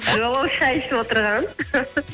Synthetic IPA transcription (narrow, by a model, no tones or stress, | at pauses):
ʒolˠəəʃqɑjɪʃt̪ɪpwot̪əɾʁɑn